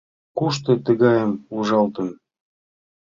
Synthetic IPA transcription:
kuʃt̪ɤ̆t̪ə̆ɣɑjə̆muʒɑlˠt̪ɤ̆n

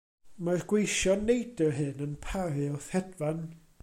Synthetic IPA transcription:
marɡ̥wejʃɔnejdərɦɨnənpʰaɾɨɔθhɛdvan

